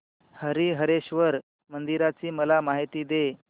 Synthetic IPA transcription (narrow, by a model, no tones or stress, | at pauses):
həɾiɦəɾeɕʋəɾ | mənd̪iɾat͡siːməlamaɦit̪iːd̪e